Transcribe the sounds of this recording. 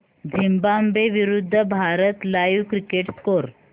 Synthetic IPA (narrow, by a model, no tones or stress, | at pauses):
d͡zimbambeʋiɾud̪ʱːəbʱaɾət̪lajʋkɾikeʈskoɾ